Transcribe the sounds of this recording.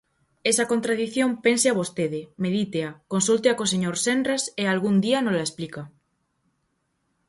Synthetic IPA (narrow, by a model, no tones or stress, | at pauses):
esakont̪ɾaðiθjompenseaβost̪eðɪmeðit̪eakonsult̪eakoseɲoɾsendrasealɣund̪ianolaesplika